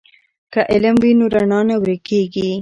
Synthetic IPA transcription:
kaʔɪləmwinoɾaɳɑnawɾekeɡi

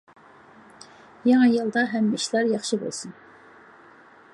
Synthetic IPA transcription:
jɑŋɑjɨlˠd̪ɑɦɛmːiʃlˠɑɾjɑχʃɨbo̰lˠsun

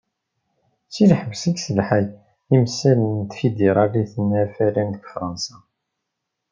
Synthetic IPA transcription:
t͡sːilħəvsəɡsəlħæj | imsːælənt̪fid̪iɾˤɑɾiθənːæfælænd̪əɡfɾˤɑnsɑ

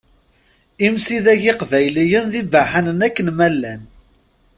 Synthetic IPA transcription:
imsiðæʝɪqvæjlijənðibaħanənækːənmælːæn

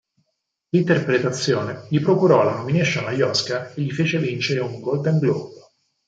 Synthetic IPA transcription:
lint̪erpɾet̪at̪sːjoːneʎipɾokuɾɔlanomineʃːanajɔskaeʎːifeːt͡ʃevint͡ʃeɾeuŋɡolt̪ɛŋɡlob

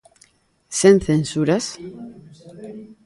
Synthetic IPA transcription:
senθensuɾas

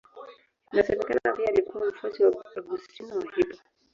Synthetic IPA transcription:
nasɛmɛkanaapiaːlikuwam̩fwasiwaaɡustinawahita

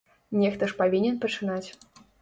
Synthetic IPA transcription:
nʲɛxt̪ɐʂpavʲinʲɛnpɐt͡ʂɨnat͡sʲ

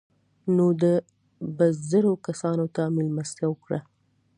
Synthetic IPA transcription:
nod̪ə | bəzəɾokasɑnot̪amɪlmast̪jawəkɽa

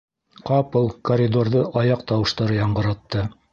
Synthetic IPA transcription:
qɑpolˠkoɾʲid̪orðɤʔɑjɑqt̪ɑwɤ̆ʃt̪ɑɾɤjɑɴɢɤ̆ɾɑt̪ːɤ

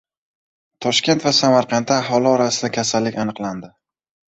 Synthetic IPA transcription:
t̪ʰɒʃkʲe̞nt̪vasamaɾqʰɑnt̪ːaaɦɒlˠɪɒɾasɪd̪akʲʰasalːɪkʲanɨqlˠand̪ɪ

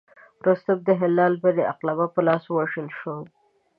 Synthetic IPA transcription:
ɾost̪əb̚d̪əɦɪlːɑlbed̪əaqlabapəlɑswaʃəlʃo

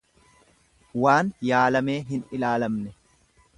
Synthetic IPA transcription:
waːnjaːlɐme̞ːɦɪnɪlaːlɐmnɛ

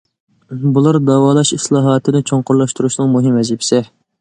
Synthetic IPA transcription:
bulˠɑɾd̪ɑwɑːlˠɑʃislˠɑːɦɑːt̪ʰɨd̪ɪt͡ʃʰoɴqʊɾlˠɑʃt̪uɾuʃlɨŋmuɦɪmɛzipʰɪ̥sɪ

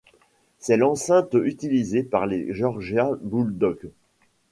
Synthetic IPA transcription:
sɛlɑ̃sɛ̃t̪yt̪ilizepaʁleʒɔʁʒjabuld̪ɔk

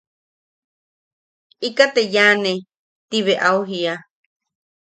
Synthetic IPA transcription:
ikat̪ejane | t̪iβeʔauɦia

